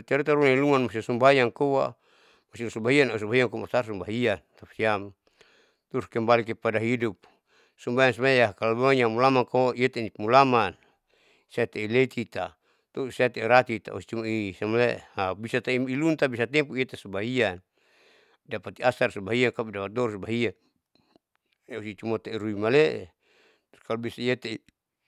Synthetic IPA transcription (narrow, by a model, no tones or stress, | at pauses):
t̪iaɾat̪aɾuniluŋanmas̬isumbajaŋkowa̰ | masisumbaɦianaus̬umbaɦiaŋkumasarsumbaɦiant̪apsiam | t̪uuskɛmbalikepadaɦidup̚ | sumbajans̬imajajakalabuŋaɲamulamaŋkoaiet̪animulaman | saat̪ɛilet̪ʰit̪a̰ | t̪osat̪eiɾat̪it̪a̰ṵsi̥t͡ʃumaisamaleʔhabisat̪aimilunt̪abisat̪ɛmpuiet̪asubaɦian | dapat̪iasarsubaɦiankabidapat̪̚d̪ɔɾsbaɦia | eusit͡ʃumat̪aiɾuimaleʔe | t̪u̥skalubisaijet̪ei